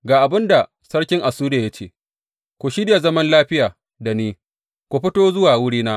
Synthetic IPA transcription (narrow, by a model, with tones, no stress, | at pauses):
ɡaː˨ʔa˨bɪ˦nda˨ | sɐ˦ɽkʲɪ˦ŋʔa˨suː˦de˨ja˦t͡ʃḛː˦˨ | kʷu˨ʃɪ˦dja˨zɐ˦mɐ˦nlaː˦ɸɪ˦jaː˨ | da˨niː˦ | kʷu˨ɸɪ˦toː˦zʊ˦waː˨wʊ˦ɽiː˦naː˦